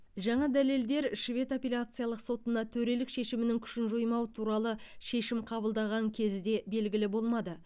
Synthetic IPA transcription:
ʒɑɴɑd̪æle̞ld̪e̞ɾʃvʲe̞t̪opʲelʲat̪sɨjɑlˠəqso̞t̪ənd̪ɑt̪ʰɵɾe̞lɪkʃe̞ʃɪmɪnɪŋkʲʰʏ̥ʃɪnʒojmɑwət̪ʰuɾɑlˠəʃe̞ʃɪmqʰɑbəlˠd̪ɑʁɑŋkʲʰe̞zd̪e̞be̞lɡʲɪlɪbo̞lˠmɑd̪ə

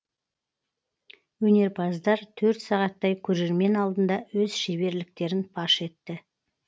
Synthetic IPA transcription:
wɵne̞ɾpʰɑzd̪ɑɾt̪ʰɵɾt̪sɑʁɑt̪ːɑjkʲʰɵɾe̞ɾme̞nɑlˠd̪ənd̪ɑwɵz̥ʃebe̞ɾlɪk̚t̪e̞ɾɪnpʰɑʃe̞t̪ːɪ

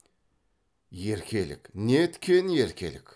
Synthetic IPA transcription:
je̞ɾkʲʰe̞lɪ̰kʲnet̪ʰɪ̥kʲʰːenje̞ɾkʲʰe̞̰lɪ̰kʲ

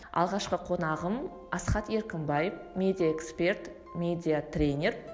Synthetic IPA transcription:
ɑ̰lˠʁɑʃqəqʰo̞nɑʁəm | ɑsχɑt̪e̞ɾkʲɪmbɑjəfmʲe̞d̪ʲijaekspʲe̞rt̪ | mʲe̞d̪ʲijat̪rʲenʲe̞r

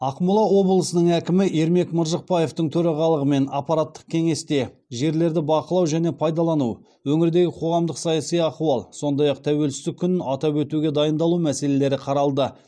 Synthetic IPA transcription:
ɑqmʊlˠɑwo̞blˠəsənəɴækʲɪmɪe̞ɾme̞kməɾʒəq̚pɑje̞ft̪əɴt̪ʰɵɾɑʁɑlˠəʁəme̞nɑpːɑɾat̪ːə̥q̚kʲʰe̞ŋe̞st̪e̞ | ʒe̞ɾle̞ɾd̪ɪbɑqəlˠɑwʒæne̞pʰɑjd̪ɑlˠɑnuw | wɵŋɪɾd̪e̞ɡʲɪqʰo̞ʁɑmd̪əqsɑjɑsijɑquɑlˠso̞nd̪ɑjɑq̚t̪ʰæwe̞lsɪst̪ɪkʲʰːʏnɪnɑt̪ɑpwɵt̪uɡʲe̞d̪ɑjənd̪ɑlˠumæse̞le̞le̞ɾɪqʰɑɾɑlˠd̪ə

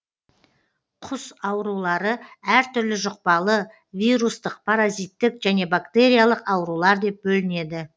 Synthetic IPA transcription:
qʰʊsɑwɾulˠɑɾəæɾt̪ʰʏɾlɪʒʊq̚pɑlˠə | vijɾust̪əq̚pʰaɾazijt̪ːɪkʒæne̞bakt̪e̞ɾʲijalˠəqɑwɾulˠɑɾd̪e̞p̚bɵlɪne̞d̪ɪ

